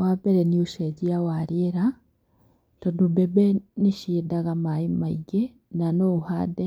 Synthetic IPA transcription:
wabɛɾɛniuʃeɟiawaɾjeɾa | tondubɛbɛniʃidaɣamaimaiɡe | nanouhade

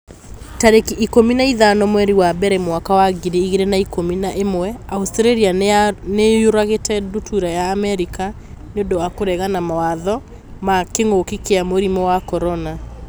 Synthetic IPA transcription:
taɾekʔikominaiðanɔmwɛɾiwabɛɾɛmwakawaɡiɾeiɣeɾenaikominaʔemwɛaustɾeɾianejoɾaɣetɛdutʰuɾajaːmɛɾika | neondɔwakoɾɛɣanamawaðɔ | makeŋokikeamoɾimɔwakɔɾɔna

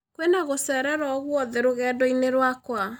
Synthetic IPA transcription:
kwenaɣosɛɾɛɾɔɣwɔðɛɾoɣɛːdɔineɾwakwa

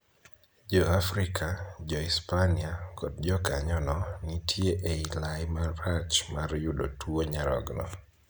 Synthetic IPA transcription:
d͡ʒɔafɾikʰad͡ʒɔispaniakɔd̚d͡ʒɔka̰ɲɔnɔnitʰjeʔeilaɪmarːat͡ʃmarjudotʰuoɲaɾɔ̰ɡnɔ

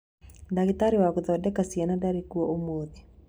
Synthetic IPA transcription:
daɡit̪aɾiwakuðɔdɛkasianadaɾikuɔʔomoði

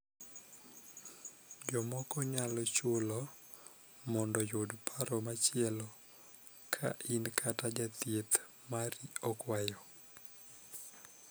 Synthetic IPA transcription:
d͡ʒɔmɔkɔɲalɔt͡ʃʊlɔ | mɔndɔjodpʰaɾɔmat͡ʃɪɛlɔ | kʰa̰ʔinkʰatad͡ʒat̪jet̪ | maɾiɔkwajɔ

